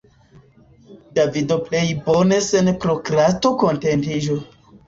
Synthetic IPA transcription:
davidople̞jbonesenpɾokɾatokontentiʒo

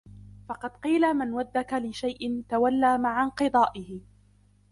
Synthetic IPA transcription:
fɑqɑd̪qiːlamɪnwad̪ːakalɪʃajʔɪnt̪awalːaːmaʕaqɨd̪ˤɑːʔɪhɪ

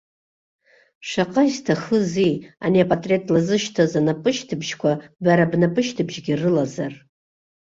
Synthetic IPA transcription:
ʂaqʼaistʰaχəzijaniapʼatʼre̞tʼlazɨʃtʰazanapʼɨʃtʰɨbʒkʷʰabaɾabnapʼɨʃtʰɨbʒɡʲirɨlazar

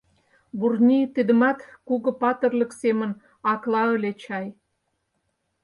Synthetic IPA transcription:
burnʲit̪id̪ə̆mɑt̪kuɣɤ̆pɑt̪ə̆rlə̆ksemə̆n | ɑklɑəlʲet͡ɕɑj

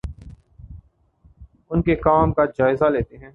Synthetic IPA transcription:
ʊnkekaːmkad͡ʒaːɪzaleːt̪eɦɛ̃ː

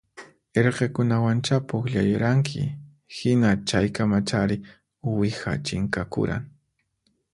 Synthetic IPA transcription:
eɾqekʊnawant͡ʃapokʎajʊɾaŋkʰɪ̰ | hɪnat͡ʃajkamat͡ʃaɾɪ | wɪxa̰t͡ʃɪŋkakʊ̰ɾa̰ŋ

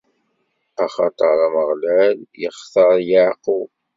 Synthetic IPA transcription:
æχɑt̪ˤəɾˤæməʁlæljəχθɑɾˤjaʕqu

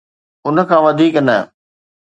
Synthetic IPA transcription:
ʊnə̆kʰãːʋɐd̪ʱiːknɐ

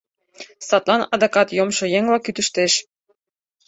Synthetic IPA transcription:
sɑt̪lɑnɑd̪ɑkɑt̪jomʃɤ̆jeŋlɑkyt̪ə̆ʃt̪eʃ

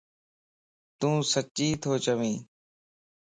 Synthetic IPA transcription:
t̪ũːsət͡ʃiːt̪ʰoːt͡ʃəʋĩː

